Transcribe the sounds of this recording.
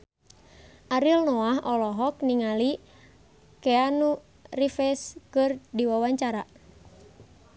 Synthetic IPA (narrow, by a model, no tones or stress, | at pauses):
aɾilnɔaɦɔlɔɦɔk̚niŋali | kɛanu | rifɛskɨrdiwawaɲt͡ʃaɾa